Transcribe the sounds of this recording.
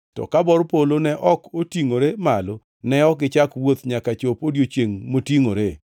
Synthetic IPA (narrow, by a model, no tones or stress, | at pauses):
tɔ̰kabɔɾpolonɛʔɔkotiŋoɾemalo | nɛɔkɪt͡ʃakwot̪ɲakat͡ʃopodjot͡ʃeŋmotiŋoɾe